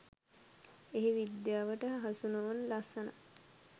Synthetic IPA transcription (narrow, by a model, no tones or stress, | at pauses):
eɦeʋid̪jaːʋəʈəɦɦasunonlasəna̰